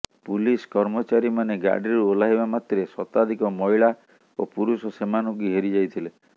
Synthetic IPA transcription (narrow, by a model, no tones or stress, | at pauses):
puliskɔɾmɔt͡ʃaɾimaneɡa̰ɖiɾɾuolaɦibamat̪ɾesɔt̪ad̪ʱikɔmɔiɭa | opuɾusɔsemanuɡiɦeɾid͡ʒajt̪ʰile